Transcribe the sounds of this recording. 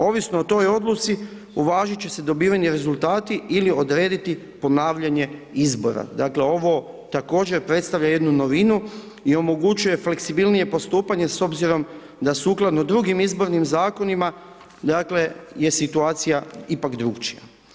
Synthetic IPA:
o̞ʋisnoot̪o̞jo̞d̪lut̪si | uʋaːʒit͡ɕe̞se̞d̪o̞biːʋaɲeɾe̞zult̪aːt̪iilio̞d̪ɾe̞ːd̪it̪i | po̞naːʋʎaɲe̞izbo̞̰ɾa̰d̪aːkle̞o̞ʋo̞ | t̪ako̞ːd͡ʑe̞ɾpɾe̞t̪st̪aʋʎaje̞d̪nuno̞ʋinu | io̞mo̞ɡut͡ʃuje̞fle̞ksibilnije̞po̞st̪uːpaɲe̞so̞bziɾo̞m | d̪asuːklˠad̪nod̪ɾuɡimizbo̞ɾnimzaːko̞nima | d̪aːkle̞je̞sit̪uaːt̪sijaipakd̪ɾukt͡ʃija̰

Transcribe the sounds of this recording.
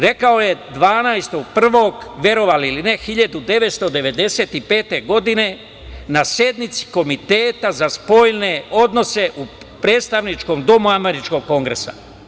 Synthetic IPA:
ɾe̞kaoje̞d̪ʋaːnajst̪o̞ɡ̚pr̩ʋo̞ːɡʋje̞ɾo̞ʋaliline̞xiʎad̪ud̪e̞ʋe̞t̪st̪o̞d̪e̞ʋe̞d̪ese̞ːt̪ipe̞ːt̪e̞ɡo̞d̪ine̞ | nasje̞d̪nit̪si̥ko̞mit̪eːt̪azaspo̞ːjne̞o̞d̪no̞se̞ʔu | pɾeːt̪st̪aʋnit͡ʃko̞ːmd̪o̞muame̞ɾit͡ʃko̞ɡko̞ŋɡɾesa̰

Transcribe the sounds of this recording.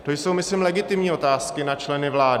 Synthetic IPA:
t̪o̞jso̞wmɪslɪmlɛɡɪt̪ɪmɲiːo̞t̪aːskɪnat͡ʃlɛnɪvlaːd

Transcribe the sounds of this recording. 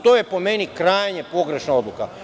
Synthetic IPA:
t̪oje̞po̞me̞nikɾaːjɲepo̞ɡɾe̞ʃnao̞d̪lˠuka

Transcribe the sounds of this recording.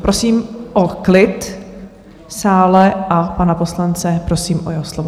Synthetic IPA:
pɾʔosiːmʔoklɪt̪ | saːlɛʔapanapo̞slant͡sɛpɾo̞siːmʔojɛɦoslovo

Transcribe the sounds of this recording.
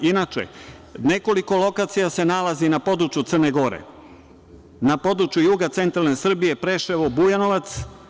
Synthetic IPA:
inat͡ʃḛne̞ko̞liko̞lˠo̞kaːt̪sijase̞nalazinapo̞d̪ɾut͡ʃjut̪sərneɡo̞ɾḛ | napo̞d̪ɾut͡ʃjujuːɡat̪se̞nt̪ɾalnesr̩bije̞pɾe̞ʃeʋobujano̞ʋat̪s

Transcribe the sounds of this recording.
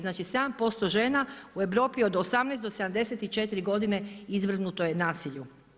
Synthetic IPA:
znaːt͡ʃised̪ampo̞st̪oʒe̞ːnaue̞ʋɾo̞ːpiod̪osamnɛːst̪d̪osed̪amd̪e̞set̪it͡ʃe̞t̪iɾiɡo̞d̪ine̞izʋr̩nut̪ojenaːsiʎu

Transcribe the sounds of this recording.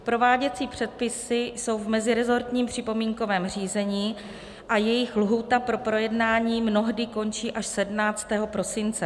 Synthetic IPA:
pɾo̞vaːɟɛt͡siːpr̝̥ɛt̪̚pɪsɪso̞wvmɛzɪɾɛzo̞ɾt̪ɲiːmpr̝̥ɪpo̞miːŋko̞vɛːmr̝iːzɛɲiː | ʔajɛjɪxlɦuːt̪apɾo̞pɾo̞jɛdnaːɲiːmno̞ɦdɪko̞nt͡ʃiːʔaʃsɛdmnaːt͡st̪ɛːɦo̞pɾo̞sɪnt͡sɛ

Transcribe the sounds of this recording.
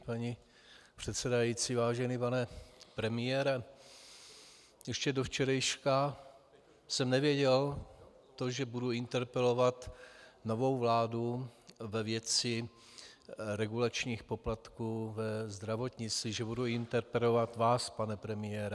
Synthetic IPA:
paɲi | pr̝̥ɛt̪sɛdajit͡sivaːʒɛniːpanɛpɾɛmɪjɛɾɛ | jɛʃcɛdoft͡ʃɛɾajʃka | sɛmnɛvjɛɟɛl | t̪oʒɛbuduɪnt̪ɛɾpɛlo̞vat̪no̞vo̞wvlaːduvɛvjɛt͡sɪ | ɾɛɡulat͡ʃɲiːxpo̞plat̪kuːvɛzd̪ɾavo̞t̪ɲɪt͡siʒɛbuduɪnt̪ɛɾpɛlo̞vat̪vaːspanɛpɾɛmɪjɛɾɛ

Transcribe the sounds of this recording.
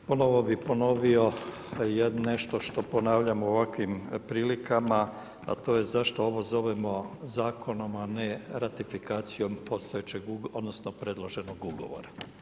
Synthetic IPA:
pono̞ʋo̞bipo̞no̞ʋio̞ | jed̪ne̞ʃt̪oʃt̪o̞po̞naːʋʎamooʋakʋimpɾiːlikʰama | a̰t̪o̞ːjezaʃt̪ooʋozo̞ʋemo̞zaːkʰo̞no̞maneɾat̪ifikaːt̪sijo̞mpo̞st̪ojet͡ɕeɡuɡod̪nosnopɾe̞d̪lˠoʒe̞noɡuɡo̞̰ʋo̰ɾa

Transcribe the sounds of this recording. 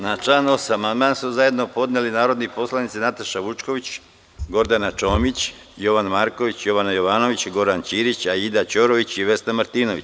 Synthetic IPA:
nat͡ʃlaːnosamand̪maːnsuzaje̞d̪nopo̞d̪nelinaːɾo̞d̪nipo̞slˠanit̪sinat̪aʃaʋut͡ʃko̞ʋit͡ɕ | ɡo̞ɾd̪anat͡ʃo̞ːmit͡ɕ | jo̞ʋanmaːɾko̞ʋit͡ɕjo̞ʋanajo̞ʋaːno̞ʋit͡ɕɡo̞ɾant͡ɕiːɾit͡ɕaid̪at͡ɕoɾo̞ʋit͡ɕiʋe̞snamaɾt̪iːno̞ʋit͡ɕ

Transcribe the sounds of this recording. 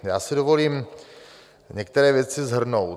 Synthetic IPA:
jaːsɪdovo̞liːm | ɲɛk̚t̪ɛɾɛːvjɛt͡sɪzɦr̩nowt̪

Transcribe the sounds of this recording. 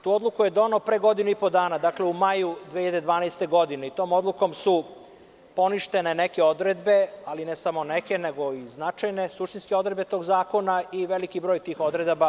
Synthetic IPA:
t̪uːo̞d̪lˠukuje̞d̪onopɾeɡo̞d̪inuipo̞d̪aːnad̪akle̞umajud̪eːiʎad̪ed̪ʋaːnajst̪e̞ɡo̞d̪ineit̪o̞ːmo̞d̪lˠuko̞msu | po̞niʃt̪e̞ne̞neke̞o̞d̪ɾed̪be̞alinesamo̞neke̞neɡo̞iznat͡ʃajne̞suʃt̪inskeod̪ɾed̪bet̪o̞ːɡzaːko̞naiʋe̞likibɾo̞ːjt̪iːxo̞d̪ɾed̪ba

